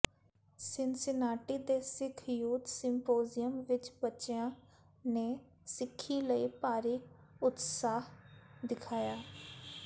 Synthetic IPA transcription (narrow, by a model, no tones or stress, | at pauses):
sɪnsɪnaːʈiːd̪eːsɪkʰjuːt̪sɪmpoːzɪjəmʋɪt͡ʃbətːʃɪãː | neː | sɪkʰːiːləiːpaːɾiːʊt̪saːɦd̪ɪkʰaːjaː